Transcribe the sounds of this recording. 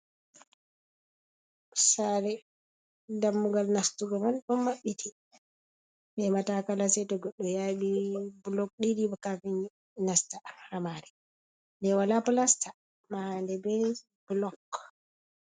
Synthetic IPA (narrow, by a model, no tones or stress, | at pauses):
saɾɛ | damːuɡalnastuɡɔmanɗɔmːaɓːitʰi | mɛmatakalasɛtɔɡɔɗːɔjaɓiblɔk̚ɗidibɔkavin | nastaɾamaɾɛ | ndɛwalaplasta | mandɛbɛ | b̥lɔkː